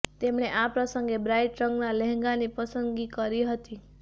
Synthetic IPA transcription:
t̪emɽ̃eʔapɾəsəŋɡebɾajʈɾəŋɡnalɛɦŋɡanipəsənɡikəɾiɦət̪i

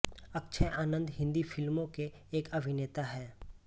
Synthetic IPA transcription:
ɐkːʃʰəʔaːnə̃nd̪ɦɪ̃nd̪ifʰɪlmõkeː | kɐbʱɪneːt̪aɦɛː

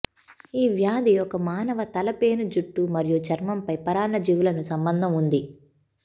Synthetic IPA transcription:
iːʋjaːd̪iɔkɐmaːnɐʋɐt̪ɐlɐpe̞ːnud͡ʒuʈːumɐɾijut͡ʃɐɾmɐmpɐjpɐɾaːɳɐd͡ʒiʋulɐnusɐmbɐnd̪ʱɐmund̪i

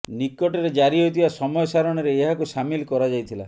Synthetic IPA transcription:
nikɔʈeɾed͡ʒaɾiɦot̪ʰibasɔmɔjɔsaɾɔɽ̃ɔɾeːɦakusamilkɔɾad͡ʒajt̪ʰila

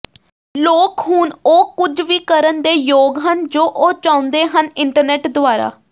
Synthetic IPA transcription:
loːkɦuːnoːkʊd͡ʒʋiːkəɾənd̪eːjoːɡɦənd͡ʒoːʔoːt͡ʃãːʊnd̪eːɦənɪɳʈəɾnɛːʈd̪ʊaːɾa̰ː

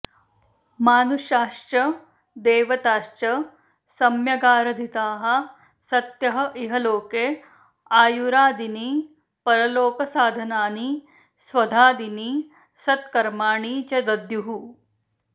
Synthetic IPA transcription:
maːnuʃaːʃt͡ʃɐ | d̪eːʋɐt̪aːʃt͡ʃɐ | sɐmjɐɡaːɾɐd̪ʱit̪aːɦɐ̆ | sɐt̪jɐɦɐ̆ʔiɦɐloːkeː | aːjuɾaːd̪ini | pɐɾɐloːkɐsaːd̪ʱɐnaːni | sʋɐd̪ʱaːd̪ini | sɐt̪kɐɾmaːɳiːt͡ʃɐd̪ɐd̪juɦu

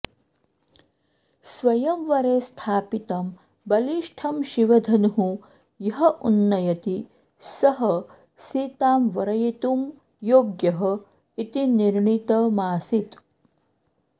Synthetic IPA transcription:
sʋɐjɐmʋɐɾeːst̪ʰaːpit̪ɐm | bɐliʃʈʰɐmʃiʋɐd̪ʱɐnuɦu | jɐɦɐʔunːɐjɐt̪i | sɐɦɐ | siːt̪aːmʋɐɾɐjit̪um | joːɡjɐɦɐ | it̪iniɾɳit̪ɐmaːsit̪

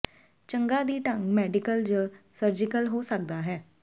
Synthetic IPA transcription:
t͡ʃəŋɡaːd̪iːʈəŋmɛːɖɪkəld͡ʒəsəɾd͡ʒɪkəlɦoːsək̚d̪aːɦɛː

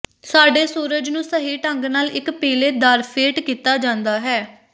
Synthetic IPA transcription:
saːɖeːsuːɾəd͡ʒnũːsəɦiːʈəŋɡnaːlɪkpeːleːd̪aːɾpʰeːʈkiːt̪aːd͡ʒãːnd̪aːɦɛː

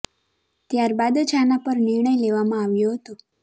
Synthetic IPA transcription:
t̪jaɾbad̪t͡ʃʰanapəɾniɾɳəjleʋamãaʋjoɦət̪o

